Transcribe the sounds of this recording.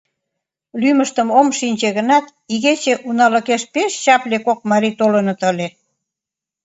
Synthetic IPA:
lyməʃt̪ə̆momʃinʲt͡ɕeɣə̆nɑt̪ | iɣet͡ɕeʔunɑlə̆keʃpeʃɕɑplʲekok̚mɑɾit̪olənɤ̆t̪ə̆lʲe

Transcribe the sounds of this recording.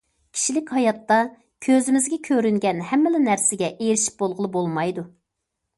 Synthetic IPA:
kʲʰi̥ʃilɪkʲhɑjɑt̪ːɑ | kʲʰøzɪmɪzɡʲɛkʲʰøɾyŋɡʲɛnhɛmːɪlɪnæɾsɪɡʲɛʔejɾɪʃi̥p̚bolˠʁəlˠɨbolˠmɑjd̪u

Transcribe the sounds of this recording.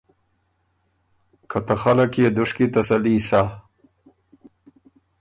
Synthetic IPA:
kʰat̪axalakjed̪ʊʂkit̪asaliːsa

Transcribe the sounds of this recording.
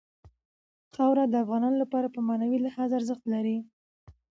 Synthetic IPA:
xɑwɾad̪əafɣɑnɑnolapɑɾapəmɑnawilahɑzaɾzəxt̪laɾi

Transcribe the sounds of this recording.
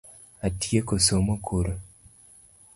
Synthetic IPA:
atjekosomokʰoɾo

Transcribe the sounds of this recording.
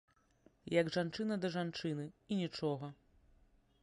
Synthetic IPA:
jɐɡʐant͡ʂɨnɐd̪ɐʐant͡ʂɨnɨinʲit͡ʂɔɣɐ

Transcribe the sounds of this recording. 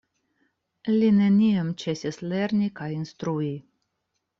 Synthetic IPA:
line̞niamt͡ʃe̞sʲisleɾnʲikajinst̪ɾui

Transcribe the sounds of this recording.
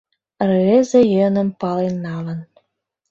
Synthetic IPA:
rezejɤnə̆mpɑlenːɑlɤ̆n

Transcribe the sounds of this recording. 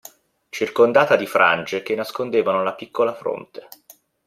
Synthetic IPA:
t͡ʃirkond̪aːt̪ad̪ifɾʔa̰nd͡ʒek̟enːaskond̪eːvanolapikːolafɾo̰nt̪e̥

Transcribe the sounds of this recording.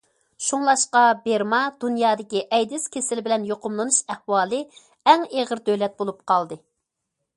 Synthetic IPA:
ʃuŋlˠɑʃqɑbeɾmɑd̪̥unjɑːd̪ɪkʲiʔɛjd̪ɪskʲʰesɪlbɪlɛnjoqʊmlˠɨnuʃɛhwɑːlˠɨ | ɛŋeʁəɾd̪ølɛt̪̚bolˠup̚qɑlˠd̪ɨ

